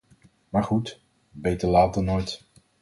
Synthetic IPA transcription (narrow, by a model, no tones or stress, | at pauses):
maːɹχut | bejtəlaːt̚dɑnojt